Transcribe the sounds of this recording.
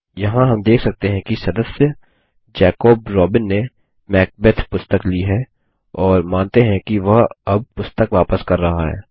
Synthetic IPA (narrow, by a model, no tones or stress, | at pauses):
jɐɦãɦɐmd̪eːkʰsɐk̚t̪eɦɛ̃kisɐd̪əsjə | d͡ʒɛːkoːb̚ɾɔːbɪnːe | mɛːk̚bet̪ʰpʊst̪əkliɦɛ | ɔːɾmãːnt̪eɦɛ̃kiʋɐɦɐb̚pʊst̪əkʋaːpəskɐɾːɐɦaɦɛ̰ː